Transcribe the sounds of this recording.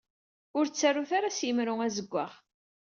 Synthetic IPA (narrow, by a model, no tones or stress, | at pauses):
ʊɾt͡sːarːuθaɾasjəmɾʊŋæzəɡʷːa̰ʁ